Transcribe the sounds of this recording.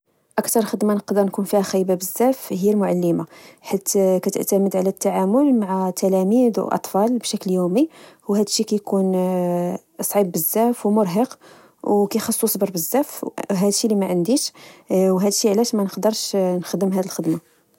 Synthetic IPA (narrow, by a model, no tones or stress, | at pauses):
ʔækt̪ɑɾˤxəd̪manəqd̪əɾnkunfihæxæjbabəzːæfhəjːælmʊʕalːəmaħit̪kæt̪ə̰ʕt̪æməd̪ʕlæt̪ːaʕamʊlmaʕat̪ʰːælæmid̪wʔɑ̰t̪ˤfɑlbʃækljumihuwhæd̪ʃːikæjkun | sˤʕibːəzːæfwmʊɾˤɦəq | wkæjxɑsˤːusˤbəɾˤbəzːæfɦæd̪əʃːilimæʕənd̪iʃwɦæd̪əʃːiʕlæʃmænəqd̪əɾˤʃnxd̪ːəmɦæd̪ilxəd̪ma